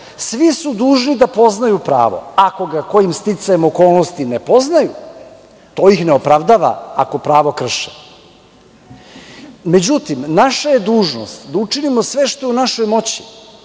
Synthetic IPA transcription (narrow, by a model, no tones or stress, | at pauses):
sʋisud̪uːʒnid̪apo̞znajupɾa̰ːʋo̞̰ako̞ɡako̞jimst̪it̪sajemoko̞ːlˠnost̪inepo̞znaju | t̪o̞ːjixneopɾaʋd̪aʋa̰ako̞pɾaːʋokr̩ʃe̥ | me̞d͡ʑut̪imnaʃaje̞d̪uːʒno̞̰st̪d̪aut͡ʂinimo̞sʋe̞ʃt̪o̞ɛunaʃo̞jmo̞t͡ɕi̥